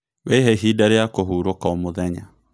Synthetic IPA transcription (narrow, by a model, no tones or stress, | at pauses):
weɦeɦidaɾeakoɦuːɾokaomoðɛɲa̰